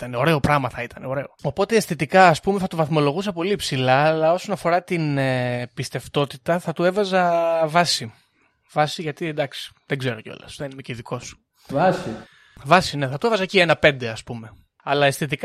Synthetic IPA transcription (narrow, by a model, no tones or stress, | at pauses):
it̪ɐneo̞ɾe̞o̞pɾɐmɐθɐit̪ɐneo̞ɾe̞o̞o̞po̞t̪e̞ːst̪it̪ikɐːspume̞θɐt̪uvɐθmo̞lo̞ɣus̬ɐpo̞lipsilɐːlɐo̞sonɐfo̞ɾɐt̪inepist̪e̞ft̪o̞t̪it̪ɐθɐt̪ue̞vɐzɐvɐsi | vɐsiʝɐt̪id̪ɐksi̥ðeɡze̞ɾoceo̞̰lɐ̰sðenimeceðiko̞s | vsi | vɐsine̞θɐt̪uevɐzɐcienɐpe̞nd̪eɐspume̞ | ɐlɐest̪it̪ik